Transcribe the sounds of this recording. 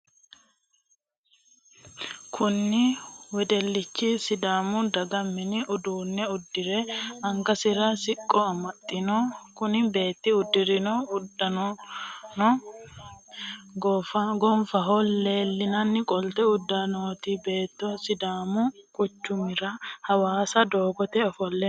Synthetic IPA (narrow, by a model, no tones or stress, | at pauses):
kʰʊnːɪwɛd̪ɛlːɪt͡ʃːɪsɪd̪aːmʊd̪ɐɡɐmːɪnɪʔʊd̪uːnːɛʊd̪ːɪɾɛɐŋɡɐsɪɾɐsɪkʼːɔɐmɐt̪ʼːɪnɔkʊnɪbe̞ːt̪ːɪʊd̪ːɪɾɪnɔʊd̪ːɐnɔnɔ | ɡɔɐɡɔɱfɐɦɔlːe̞ːlːɪnɐnːɪkʼɔlt̪ɛʊd̪ːanoːt̪ibe̞ːt̪ːɔsɪd̪aːmʊkʼʊt͡ʃːʊmɪɾɐhɐwaːsɐd̪o̞ːɡɔt̪ɛɔfɔlːɛ